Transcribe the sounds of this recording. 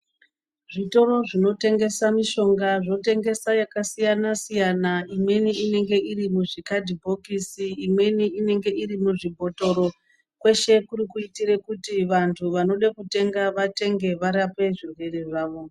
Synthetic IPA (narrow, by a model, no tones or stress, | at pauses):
ʐito̞ɾo̞ʐino̞te̞ŋɡe̞samiʃo̞ŋɡaʐo̞te̞ŋɡe̞sajakasijanasijanaimwe̞niːne̞ŋɡe̞irimuʐikadʱibʱo̞kisiːmwe̞niine̞ŋɡe̞irimuʐibʱo̞to̞ɾo̞ | kwe̞ʃe̞kuɾikuitirekutiʋantʰuʋano̞ɗakute̞ŋɡaʋate̞ŋɡe̞ʋaɾape̞ʐirere̞ʐaːʋo̞